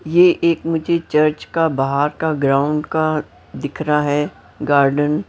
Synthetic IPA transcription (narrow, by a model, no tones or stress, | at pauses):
jeʔeːkmʊd͡ʒʱet͡ʃɐɾt͡ʃkabaɦaːɾkaɡɾãːʊ̃ɳɖka | d̪ɪkʰɾaɦɛː | ɡaːɾɖən